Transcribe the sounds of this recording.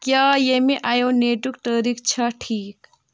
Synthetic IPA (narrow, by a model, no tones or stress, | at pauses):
kjaːjemẽʔaːjoneːʈukʈəɾikt͡ʃʰɐʈʰiːk